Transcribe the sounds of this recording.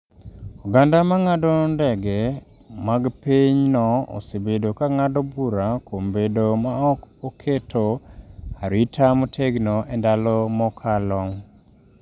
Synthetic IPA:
oɡandamaŋadɔndɛɡɛ | maɡpiɲnɔɔ̰sebedokaŋadɔbuɾakʰombedomaɔkɔkʰetʰoaɾitʰamɔtʰeɡnɔʔɛndalɔmɔkʰalɔŋ

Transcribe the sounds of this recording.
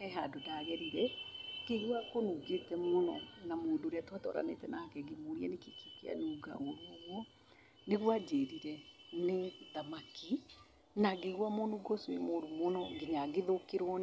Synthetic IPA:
ɛɦadodaɣɛɾiɾɛkeɣuakonuɡetɛmonɔ̰namoːdoɾeatwatɔ̰ɾa̰nḛtɛnaakɛɡemoɾiɛnekekikea̰nuːɡa̰oɾwɔɣwɔ | neɣwad͡ʒeːɾiɾɛneðamaki | naɡeɣwamonuɡɔswḛmoɾumonɔŋɡeɲaɡeðokeɾɔn

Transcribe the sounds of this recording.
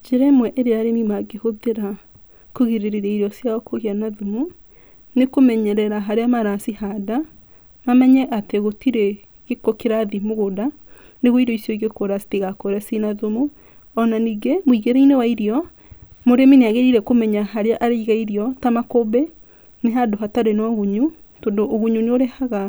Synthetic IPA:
d͡ʒeɾɛmwɛʔeɾeaɾemimaɡehoðeɾa | koɣeɾeɾeɾaiɾjɔsjawɔkoɣeanaðomu | nekomɛɲɛɾɛɾaɦaɾeamaɾasihada | mamɛɲɛʔateɣotiɾe | ɣekokeɾaðimoɣoda | neɣoiɾɔisjoiɣekoɾasi̥tiɣakoɾɛsinaðumu | ɔnaniɡemwiɣeɾɛinewaiɾiɔ | moɾemineaɣeɾiɾɛkomɛɲaɦaɾeaʔaɾeiɣaiɾiɔtamakobɛ | neɦadoɦataɾenɔɣuɲu | tondoʔːɣuɲuneoɾehaɣa

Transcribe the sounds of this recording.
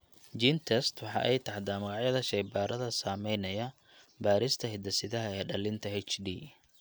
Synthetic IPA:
d͡ʒint̪ʰɛst̪wɑħɑ̰ːʔɛjt̪ʰɐħd̪aːmɐɣɑʕjɐðɐʃɐjbaːɾɐðɐsaːmɛjnɐjɐ | baːɾɪst̪ʰɐɦɪd̪ɐsɪðɐɦɐɛjɖɐlɪnt̪ʰɐɦɛt͡ʃd̪iː

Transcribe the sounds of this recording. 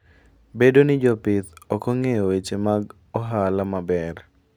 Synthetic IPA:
bedonɪd͡ʒɔpɪt̪ɔkɔŋeɔwet͡ʃemaɡ | ɔɦalamabɛr

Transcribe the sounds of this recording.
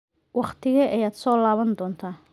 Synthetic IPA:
wɑχt̪ʰɪɣɐʔɛjaːd̪sɔːlaːβɐnd̪ɔːnt̪ʰaː

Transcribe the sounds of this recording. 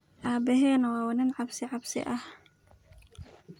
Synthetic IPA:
ʔaːbɛɦɛːnɐwɑːwɐnɪnʕɑbsɪʕɑbsɪ̰ʔɐh

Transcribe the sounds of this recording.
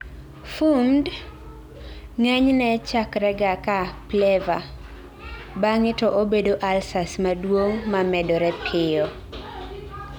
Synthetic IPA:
fund | ŋɛɲnɛt͡ʃakɾɛɡakaplɛva | baŋɪtɔʔobedoʔalsasmadwoŋmamɛdɔɾɛpʰɪɔ

